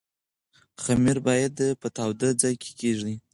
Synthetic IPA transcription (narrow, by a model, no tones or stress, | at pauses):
xamiɾbɑjad̪pət̪awd̪ad͡zɑjkʰe̥keʐi